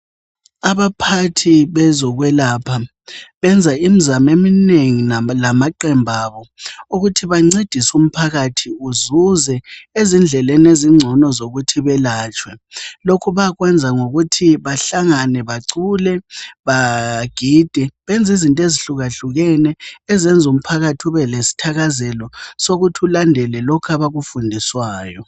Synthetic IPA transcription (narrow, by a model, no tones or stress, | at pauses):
aβapʰatʰiβɛzɔɣwɛlapʰa | βɛnd͡zʱaim̩zamemineŋinalamaǃɛmbʱaːβɔuɣutʰiβaŋ͡ǀed̥ʱisum̩pʰaɣatʰiuzuzɛezind͡ɮʱɛlɛneziŋ͡ǀʱɔnɔzoɣutʰiβɛlaːt͡ʃʼwɛlokʰuβaɣwɛnd͡zʱaŋoɣutʰiβaɬaŋanɛβaǀulɛβaɡ̥ʱid̥ʱɛβɛnd͡zʱizintʼeziɬuɣaɬuɣɛnɛːzɛnd͡zʱum̩pʰaɣatʰiuβɛlesi̥tʰaɣazɛlɔsoɣutʰiulandʱɛlɛlɔkʰaβaɣufundʱiswaːjɔ